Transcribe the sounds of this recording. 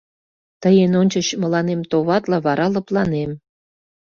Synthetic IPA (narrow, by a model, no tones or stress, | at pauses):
t̪əjenonʲt͡ɕə̆ɕmə̆lɑnemt̪oβɑt̪lɑβɑɾʔɑlɤ̆plɑnem